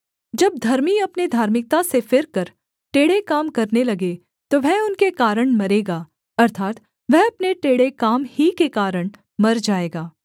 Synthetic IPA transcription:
d͡ʒɐb̚d̪ʱɐɾmiɐpned̪ʱaːɾmɪk̚t̪asefɪɾkɐɾ | ʈeːɽekaːmkɐɾnelɐɡe | t̪oʋɛʊnkekaːɾəɽ̃mɐɾeːɡaː | ɐɾt̪ʰaːt̪ | ʋɛɦɐpneʈeːɽekaːmhikekaːɾəɽ̃ | mɐɾd͡ʒaːeːɡaː

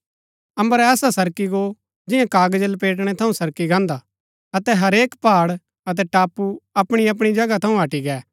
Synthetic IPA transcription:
ɐ̃mbəɾɛːsasɐɾkiɡo | d͡ʒɪjãkaːɡd͡ʒəlp̬eːʈ̬ɽ̃ɛt̪ʰɐũsɐɾkiɡãːnd̪a | ɐt̪ɛɦɐɾeːkpaːɽ | ɐt̪̬ɛʈaːpːuɐpɽ̃iɐp̬ɽ̃id͡ʒɐɡat̪ʰɐ̃ũɦɐʈiɡɛː

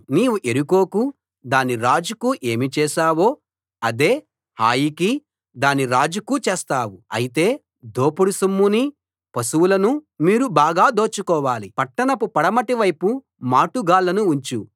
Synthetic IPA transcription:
niːwuʔe̞ɾuko̞ːku | d̪aːniɾaːd͡ʒukuʔe̞ːmit͡ʃɛːʃaːwo̞ː | ɐd̪e̞ː | haːjiki | d̪aːniɾaːd͡ʒukut͡ʃɛːst̪aːwuɐ̰jit̪e̞ː | d̪oːpuɽusumːuni | pɐsuwulɐnumiːɾubaːɡaːd̪o̞ːt͡ʃːukɔːʋaːlipɐʈːɐnɐpupɐɽɐmɐʈiʋɐjpu | maːʈuɡaːlːɐnuːɲt͡ʃu

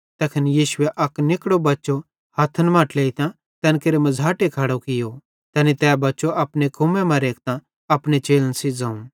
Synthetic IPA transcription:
t̪ɛːkʰɐnjiːʃʊɛʔɐknɪkɽobɐtːt͡ʃo | hɐt̪ʰːənmãːʈleːit̪ã | t̪ɛnkeɾemɐd͡zʱaːʈekʰaːɽokɪjo | t̪ɛːnit̪ɛːbɐːt͡ʃoʔɐpnekʰʊmɛ̃mãɾeːkt̪ã | ɐpɽet͡ʃeːlənsid͡zãːũ

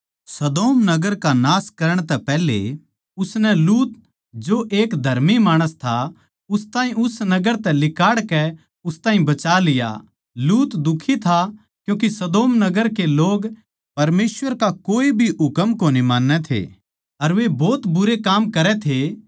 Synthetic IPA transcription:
sɐd̪oːmnɐɡəɾkanaːskɐɾəɽ̃t̪ɛpɛːɦlḛ | ʊsnɛluːt̪̚ | d͡ʒoʔeːkd̪ʱɐɾmimaːɽ̃əst̪ʰa | ʊst̪aːɦĩʊsnɐɡəɾt̪ɛlɪkaːɽkɛ | ʊst̪aːɦĩbɐt͡ʃalɪja̰ | luːt̪d̪ʊkʰːit̪ʰa | kjũːk̬isɐd̪oːmnɐɡəɾkeloːɡ | pɐɾmeːsʋəɾkakoːibʱiɦʊkəmkonimaːnːɛt̪ʰḛ | ɐɾʋebɔːt̪bʊɾekaːmkɐɾɛt̪ʰe

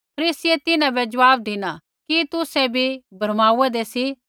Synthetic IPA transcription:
pʰɐɾiːsiet̪ɪnãbɛd͡ʒɐʋaːb̚d̪ɪnã | kit̪ʊsɛbʱibʱɐɾmaːuɛd̪esi

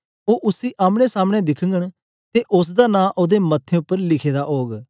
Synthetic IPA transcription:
oːʔʊsiːʔaːmɽ̃ẽːsaːmɽ̃ẽːd̪ɪkʰəŋɡəɳ | t̪eːʔʊs̬d̪aːnãːʔoːd̪eːmət̪ʰːẽːʊpːəɾlɪkʰeːd̪aːʔoːɡ

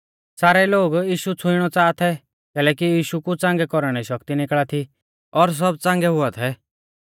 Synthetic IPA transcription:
saːɾɛloːɡiːʃut͡sʰʊɪɽ̃ɔt͡saːt̪ʰɛ | kɛːlɛːkijiːʃukut͡sãŋɡɛkɔɾɽ̃ɛʃɐkt̪inɪkɭat̪ʰi | ɔɾs̬ɔbt͡sãŋɡɛɦʊat̪ʰɛ

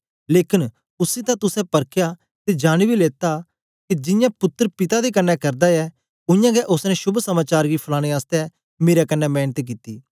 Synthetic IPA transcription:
leːkɪn | ʊsit̪ãt̪ʊsɛ̃pɐɾkʰja | t̪ed͡ʒaːɽ̃ibileːt̪a | kid͡ʒɪ̃jãpʊt̪ːəɾpɪt̪ad̪ekɐnːɛkɐɾd̪aɛ | ʊ̃jãɡɛʔʊsnɛ̃ʃʊbʱsɐmaːt͡ʃaːɾɡipʰɐlaːɽ̃eaːst̪ɛ | meːɾɛkɐnːɛmɛːnt̪k̬it̪iː

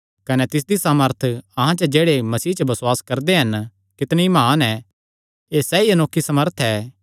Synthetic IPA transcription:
kɐnɛt̪ɪs̬d̪isaːməɾt̪ʰɐɦãt͡ʃɐd͡ʒeːɽemɐsiːt͡ʃɐbɐswaːskɐɾd̪eɦɐn | kɪt̪ñemaːnɛː | eːsɛːiɐnoːkʰːisɐməɾt̪ʰɛː

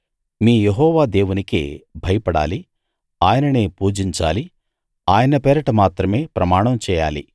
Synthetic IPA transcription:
miːjeɦɔːʋaːd̪eːwunikḛːbʱɐjɐpɐɽa̰ːli | aːjɐnɐneːpuːd͡ʒiɲt͡ʃa̰ːli | aːjɐnɐpɛːɾɐʈɐmaːt̪ɾɐme̞ːpɾɐmaːɳɐmt͡ʃɛːja̰ːlḭ

